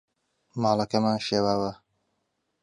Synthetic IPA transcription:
mɑːlɐkɐmaːnʃeːwaːwɐ

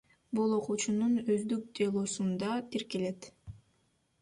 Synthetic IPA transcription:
bulˠo̞qut͡ʃununøzd̪yk̚d̪elˠoːsund̪ɑt̪iɾkele̞t̪

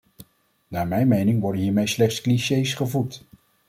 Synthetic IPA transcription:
naːɹmɛjnmejnɪŋʋɔɹdənɦiːɹmejslɛχtskliʃejsχəvut

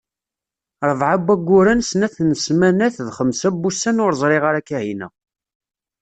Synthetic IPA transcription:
ɾˤəvˤʕabːæɡʷːʊɾænsnæθnəsmænæθðχəmsæbːusænʊɾzˤɾˤɪʁaɾækːæhinæ̰

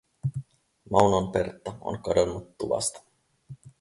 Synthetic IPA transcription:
mɑwnonpert̪ːɑo̰nkɑdonːut̪ːuʋɑ̰st̪ɑ̥

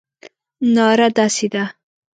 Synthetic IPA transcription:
nɑɾad̪ɑsed̪a

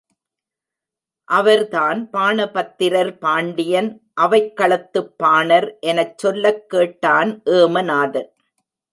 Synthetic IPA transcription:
ʔɐʋɐɾt̪aːnpaːɳɐpɐt̪ːɪɾɐɾpaːɳɖɪjɐn | ʔɐʋɐɪkːɐɭɐt̪ːɯpːaːɳɐɾʔɛnɐt͡ʃːsɔlːɐkːeːʈːaːnʔeːmɐnaːðɐɾ

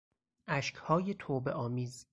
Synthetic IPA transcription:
ʔæʃcʰhɒːjet̪ʰoːbe̞ʔɒːmiːz

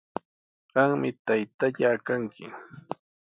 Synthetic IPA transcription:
ɢ̥ɑŋmɪt̪ajt̪aʎakaŋkʰɪ

